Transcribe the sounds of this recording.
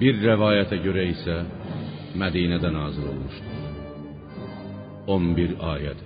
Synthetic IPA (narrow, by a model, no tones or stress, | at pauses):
biɾːævɑːjæt̪ʰæɟø̞ɾæisæ | mæd̪iːnæd̪ænɑːziɾo̞̰lˠmuʃt̪u | onbiɾɑːjæt̪ʰ